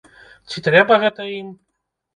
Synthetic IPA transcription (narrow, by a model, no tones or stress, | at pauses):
t͡ɕʲit̪ɾɛbɐɣɛt̪ɐim